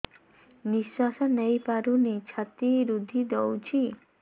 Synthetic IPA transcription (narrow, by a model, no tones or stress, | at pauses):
niswasɔnəjpaɾunit͡ʃʰat̪iɾud̪ʱid̪ɔwt͡ʃʰi